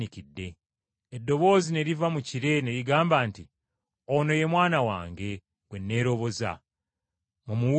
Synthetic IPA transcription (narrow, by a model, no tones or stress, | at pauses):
ikidːe̞ː | dːo̞βo̞ːzine̞ɾivamuciɾe̞ne̞ɾiɡaːmbaːnti | ono̞je̞mwaːnawa̰ːŋɡe̞ | ɡwe̞nːe̞ːɾo̞βo̞za̰ | mumuwu